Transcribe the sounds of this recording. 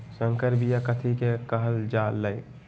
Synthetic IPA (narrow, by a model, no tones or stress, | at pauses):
sə̃ŋkəɾbijakət̪ʰikekəɦəld͡ʒaːlːəi